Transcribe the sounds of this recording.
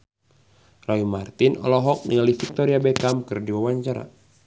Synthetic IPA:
raimart̪inɔ̰lɔɦɔk̚niŋalihfik̚t̪oɾiabɛkamkɨrdiwawaɲt͡ʃaɾa̰

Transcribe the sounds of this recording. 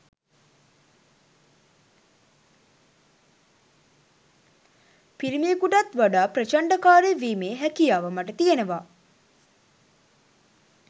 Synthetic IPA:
piɾimijekuʈat̪ʋaɖaːpɾət͡ʃaɳɖakaːɾeʋiːmeːɦækijaːʋəmaʈət̪ijenəʋa

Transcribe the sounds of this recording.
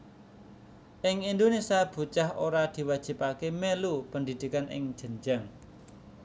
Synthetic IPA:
ʔɪŋind̪onesiab̥ṳt͡ʃahoɾad̪̥i̤wad̥ʒ̥i̤pakemelupənd̪i̤d̪̥i̤kanʔɪ̰ŋ̥ʒ̥ə̤ɲd͡ʒaŋ

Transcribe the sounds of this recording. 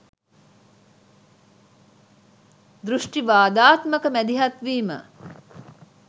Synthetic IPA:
d̪ɾuʂʈiʋaːd̪aːt̪məkəmæd̪iɦɐt̪ʋiːmə̰

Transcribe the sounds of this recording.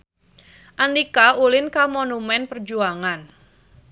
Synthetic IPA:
ʔandikaulɪnkamonumɛnpərd͡ʒuaŋan

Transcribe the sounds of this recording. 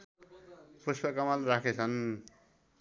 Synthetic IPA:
puspakʌmalrakʰet͡sʰʌn

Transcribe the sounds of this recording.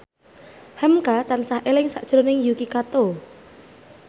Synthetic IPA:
hɛmkat̪ansahʔelɪŋsaʔd̥ʒ̥ɾonɪŋjukikat̪o

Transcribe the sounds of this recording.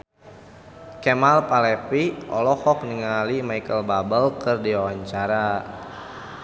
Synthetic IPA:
kɛmalpalɛpiʔɔlɔhɔkniŋalimajkəlbabəlkərdiwawaɲt͡ʃaɾa

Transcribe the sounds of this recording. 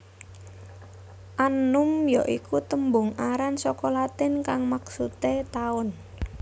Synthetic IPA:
ʔanʊmjɔʔikut̪əmbʊŋaɾansɔkɔlat̪ɪnkaŋmaksut̪et̪aʊn

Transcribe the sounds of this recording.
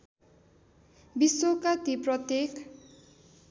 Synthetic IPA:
bisokat̪iprʌt̪jek

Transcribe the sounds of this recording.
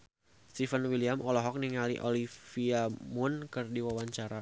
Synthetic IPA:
st̪ifənwiliamʔɔlɔɦɔk̚niŋalḭʔolifiamunkɨrdiwawaɲt͡ʃaɾa

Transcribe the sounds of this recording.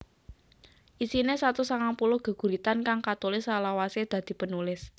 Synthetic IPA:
ʔisinesat̪usaŋaŋpulʊhɡ̥ə̤ɡ̥ṳɾit̪ankaŋkat̪olɪsalawased̪̥ä̤d̪̥i̤pənulɪs

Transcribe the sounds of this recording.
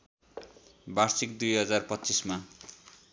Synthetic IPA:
barsikd̪ujɦʌd͡zarpʌtːt͡sisma

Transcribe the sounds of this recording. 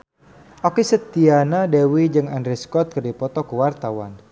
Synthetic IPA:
ʔokesət̪ianadewid͡ʒɨŋandɾiskɔt̪̚kərdipɔt̪ɔkəwart̪awa̰n

